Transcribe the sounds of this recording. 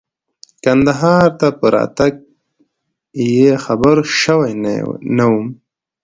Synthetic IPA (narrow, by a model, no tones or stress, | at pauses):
kand̪aɦɑːɾt̪apəɾa̰ːt̪aɡ̚ | jexɐbəɾʃəwajnawum